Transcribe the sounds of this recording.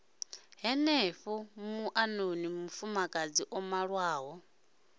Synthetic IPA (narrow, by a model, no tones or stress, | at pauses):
ɦɛneɸumuʔanonimufumakʼad͡ziʔɔmaɺwaːɦɔ